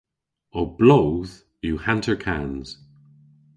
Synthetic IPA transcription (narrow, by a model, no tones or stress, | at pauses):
ob̥loʊð̥ | juhãntʰəɹkʰanz̥